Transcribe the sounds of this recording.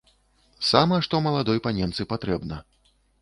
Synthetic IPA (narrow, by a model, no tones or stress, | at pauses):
samɐʂt̪ɔmɐlˠad̪ɔjpanʲɛmt̪sɨpat̪ɾɛbnɐ